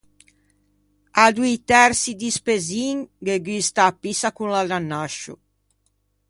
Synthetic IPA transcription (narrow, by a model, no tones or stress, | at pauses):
ad̪uit̪ɛɾsid̪ispeziŋɡeɡist̪apːisakunladanːaʃːṵ